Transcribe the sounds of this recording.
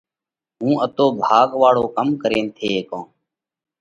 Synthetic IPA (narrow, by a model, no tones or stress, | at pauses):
ɦũːʔət̪oːbʱaːɡʋaːɽoːkəmkəɾẽːnt̪ʰeːkõː